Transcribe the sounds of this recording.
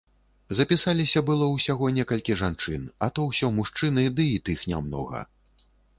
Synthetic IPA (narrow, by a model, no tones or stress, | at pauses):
zɐpʲisalʲisʲɐbɨlˠɔwsʲaɣɔnʲɛkɐlʲkʲiʐant͡ʂɨnɐt̪ɔwsʲɔmuʂt͡ʂɨnɨd̪ɨit̪ɨxnʲa̰mnɔ̰ɣɐ̰